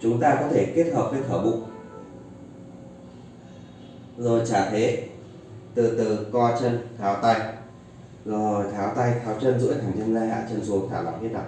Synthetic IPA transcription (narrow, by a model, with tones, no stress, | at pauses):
t͡ɕʊ˨˦ŋ͡mt̪aː˧kɔ˨˦t̪ʰe˧˩ke˦˥t̚həː˨˩p̚ka˨˦˥jt̪ʰəː˧˩ɓʊ̰˧˨ŋ͡m | zo˨˩jt͡ɕaː˧˩t̪ʰe˨˦ | t̪ɨ˨˩t̪ɨ˨˩kɔ˧t͡ɕə˧nk̪ʰaː˨˦wt̪a˧j | zo˨˩jt̪ʰaː˨˦wt̪a˧jt̪ʰaː˨˦wt͡ɕə˧nzɨ̰˧˥t̪ʰaː˨˩ŋt͡ɕə˧nzaː˧jha̰ː˧˨t͡ɕə˧nsu˨˦ŋt̪ʰaː˧˩wa̰˧˩nhi˦˥ɗa̰˧˩˨